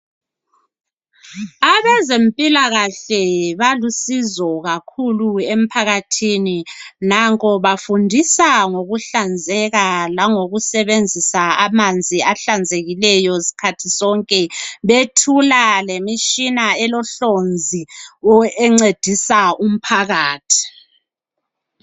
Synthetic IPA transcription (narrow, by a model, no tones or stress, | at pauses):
aβɛzempʼilaɣaɬɛβalusizɔɣakʰuluem̩pʰaɣatʰininaŋkʼɔβafundʱisaŋoɣuɬand͡zʱɛɣalaŋoɣusɛβend͡zʱisaamand͡zʱiaɬand͡zʱeɣilɛjɔsi̥kʰatʰisɔŋkʼɛβetʰulalemiʃinaɛlɔɬond͡zʱiɔɛŋ͡ǀed̥ʱisaum̩pʰaɣaːtʰi̥